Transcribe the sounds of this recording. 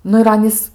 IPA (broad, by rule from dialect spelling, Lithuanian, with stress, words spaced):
ˈnʊ ɪr ˈɑːnʲiːs